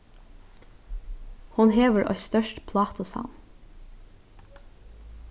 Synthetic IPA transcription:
hʊnheːʋəɹʔɔ̰st̪œʃʈpʰlɑːt̪ʊsɑ̰n

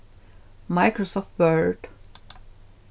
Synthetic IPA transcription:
maɪkɹɔsɔft̚bɜ˞d

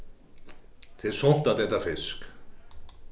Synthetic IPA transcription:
t̪ʰɪðsɔn̥t̪at̪ɛht̪afɪsk

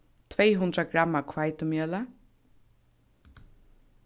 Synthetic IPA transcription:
t̪ʰvɛjɦʊnd̪ɾaɡɾamːakʰvajt̪ʊmjœːla

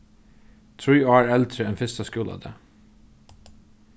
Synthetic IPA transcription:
t̪ʰɹiːɑːɹɛlt̪ʰɾəɛnfɪst̪əskʉːlɑ̰ːd̪ḛː

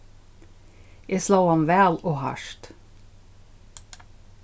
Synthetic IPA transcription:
ʔeːslɑːhɑnʋæːloːhɑ̰ʃt̪

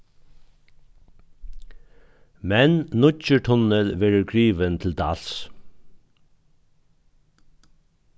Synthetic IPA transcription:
mɛnnʊt͡ʃəʈʰɔnəlʋeːɹəɾɡɹiːʋənt̪ʰɪl̩d̪ɑ̰ːls

